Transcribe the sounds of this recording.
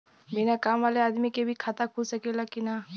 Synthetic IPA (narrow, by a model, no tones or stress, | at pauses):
binakaːmʋaːleaːd̪mikebʱikʰaːt̪akʰusɐkelakina